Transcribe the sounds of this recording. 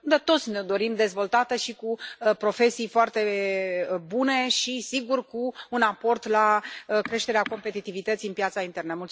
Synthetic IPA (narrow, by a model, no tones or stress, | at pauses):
d̪at̪o̞t̪sʲned̪o̞ɾimd̪e̞zvo̞lt̪at̪əʃikupɾo̞fe̞sijfoart̪e̞ | bune̞ʃisiɡurkuunapo̞rt̪lakɾe̞ʃt̪e̞ɾeako̞mpe̞t̪it̪ivit̪ət̪siɨnpjat̪saint̪e̞rnəmult̪